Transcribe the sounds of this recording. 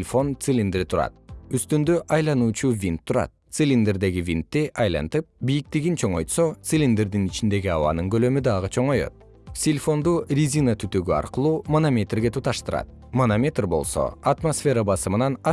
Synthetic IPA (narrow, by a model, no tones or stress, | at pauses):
lʲfo̞nt̪sɨlʲind̪eɾt̪ʰuɾɑ̰t̪yst̪ynd̪øʔɑjlˠɑnuːt͡ʃuvʲint̪ʰːuɾɑ̰t̪̚t̪sɨlʲind̪erd̪e̞ɡivʲint̪ːiʔɑjlˠɑ̰nt̪ɯp̚bijik̚t̪iɡint͡ʃʰoɴo̞jt̪so̞t̪sɨlʲind̪eɾd̪init͡ʃind̪e̞ɡiɑβɑ̰nɯŋɡølø̞myd̪ɑʁɯt͡ʃʰo̞ɴo̞jo̞̰t̪̚ | sʲilʲfo̞nd̪urʲizʲinat̪ʰyt̪øɡyɑ̰ɾqɯlˠuːmɐnomʲe̞t̪rɡe̞t̪ʰut̪ɑʃt̪ɯɾɑ̰t̪̚ | mɐnomʲet̪ʲrbo̞̰lˠso̞̰ɐt̪mosfʲe̞ɾabɑsɯmɯnɑnɑ